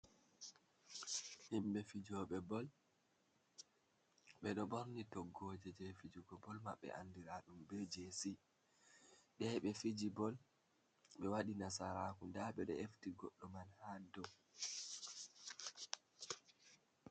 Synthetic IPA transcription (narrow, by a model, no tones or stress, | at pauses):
himɓɛfid͡ʒɔɓɛbɔl | ɓɛɗɔɓoɾnitɔɡːɔːd͡ʒɛd͡ʒɛfid͡ʒuɡɔbɔlmaɓːɛ̰ʔa̰ndiɾaɗumbɛd͡ʒesi | ɗɛjɓɛfid͡ʒibɔl | ɓɛwaɗinasaɾakundaɓɛɗɔ̰eftiɡɔɗːɔmanhadɔ